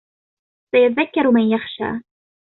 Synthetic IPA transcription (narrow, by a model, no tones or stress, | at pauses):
θajatðakːaɾwmanjaχʃa̰ː